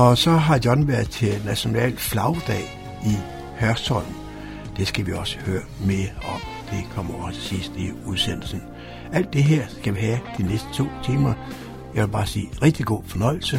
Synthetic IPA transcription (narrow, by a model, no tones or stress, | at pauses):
ɒ̽sɒ̽ɦɑ̈jɒnʋæɐ̰ðˠt͡sʰe̝næɕo̝nɛ̰ːlflɑ̈ʊd̥ɛ̰ː | i | hɶɐsʰɒl̰n̩ | d̥e̝sɡ̥æʋiɒ̽sə̥høːɐmeɒ̽md̥e̝kʰɒ̽m̰ɐɒsʰe̥sisd̥iuðˠsen̰l̩sn̩ | æl̰d̥ːe̝ɦeɐ̰sɡ̥æʋiɦæd̥inesd̥ə̥t͡sʰo̝̰ːt͡sʰiːmɐ | jɑʋelb̥ɑ̈ːsḭːʁɛɡ̥̚d̥iɡ̥o̝̰ːfɒnɒ̽ɪ̰l̩sə